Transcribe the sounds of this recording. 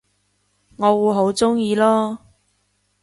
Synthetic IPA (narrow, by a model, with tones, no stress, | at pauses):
ŋɔː˨˧wuː˨˧jɦo˨˥wt͡sʊ˥ŋjiː˧lɔː˥